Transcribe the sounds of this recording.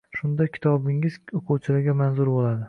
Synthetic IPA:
ʃʊnd̪akʲʰɪ̥t̪ʰɒbɪŋɪz̥oqʰʊwt͡ʃʰɪlaɾɡʲamanzʊɾbolad̪ɪ

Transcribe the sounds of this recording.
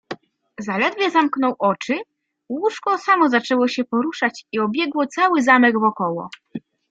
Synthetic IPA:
zalɛd̪vʲjɛzamknɔwʔɔt͡ʂɘ | wuʂkɔsamɔzat͡ʂɛwɔɕɛpɔɾuʂat͡ɕiɔbʲjɛɡwɔt̪sawɘzamɛɡvɔkɔwɔ̰

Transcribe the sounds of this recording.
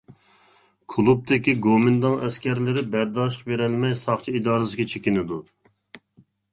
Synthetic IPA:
kʰulˠup̚t̪ɪkʲiɡomɪnd̪ɑŋɛskʲʰɛɾlɪɾɪbɛɾd̪ɑːʃ̬qbeɾɪlmɛjsɑχt͡ʃʰiid̪ɑːɾɨsɪɡʲɛt͡ʃʰekʲinɪd̪u

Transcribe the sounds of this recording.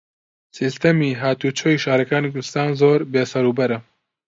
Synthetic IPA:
sist̪ɐmiːɦaːt̪uːt͡ʃʰoːiːʃaːɾɐkaːnikʰʊɾd̪ɪst̪aːnzoːɾbeːsɐɾuːbɐɾɐ

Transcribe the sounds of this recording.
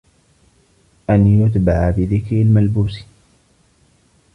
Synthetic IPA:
ʔanjʊt̪baʕabɪðɪkɾɪlmalbuːs

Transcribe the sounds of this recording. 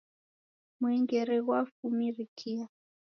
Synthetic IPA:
muɛŋɡɛɾɛɣwafumirikʰia

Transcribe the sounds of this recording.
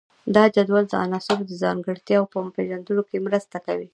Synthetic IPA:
d̪ɑd͡ʒad̪wald̪əʔa̰nɑsɪbod̪əzɑŋɡəɽt̪jɑwpəpeʒand̪unokemɾəst̪akawi

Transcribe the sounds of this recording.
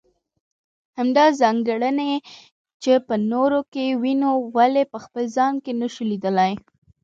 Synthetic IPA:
hamd̪ɑzɑŋɡəɽəne | t͡ʃepənoɾokewinowalepəxpəlzɑnkenəʃulid̪əlaj

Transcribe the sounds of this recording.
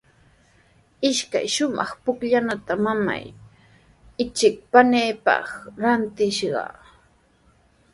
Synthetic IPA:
ɪʃka̰jʃʊmɑ̰χpʊkʎanat̪amama̰j | ɪt͡ʃɪk̚paneːpɑ̰χɾant̪ɪʃɢɑ̰

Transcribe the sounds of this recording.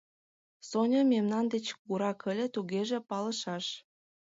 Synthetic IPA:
sonʲɤmemnɑnd̪et͡ɕkuɾɑkəlʲĕt̪uɣeʒĕpɑlə̆ʃɑʃ

